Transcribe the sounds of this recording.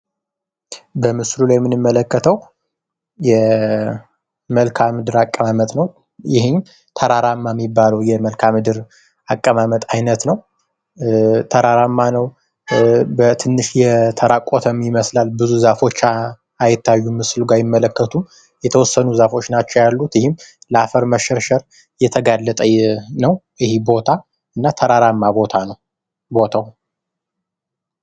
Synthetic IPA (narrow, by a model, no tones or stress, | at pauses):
bəmɨslulajɛmːɨnɨmːələkːət̪ʰəw | jɛ | məlkʰamɨd̪ɨɾakʼːəmamət̪nəw | jɪhɪɲ | t̪ʰəɾaɾamːamːibːaləwjɛməlkʰamɨd̪ɨɾ | akʼːəmamət̪ʼajnət̪nəw | t̪ʰəɾaɾamːanəw | bət̪ʰɨnːɨʃjɛt̪ʰəɾakʼot̪ʰəmjɪməslalbɨzuzafo̞t͡ʃːa | ajɪt̪ːajːumɨsɨluɡajɪmːələkːət̪ʰum | jɛt̪ʰəwɔsːənuzafo̞t͡ʃːnat͡ʃːɛwjalːut̪jɪhɪmləafəɾməʃɛɾʃəɾ | jɛt̪ʰəɡalːət̪ʼəjnəw | ɪhebo̞t̪ʰa | ɨnːat̪ʰəɾaɾamːabot̪ʰanəw | bo̞t̪ʰaw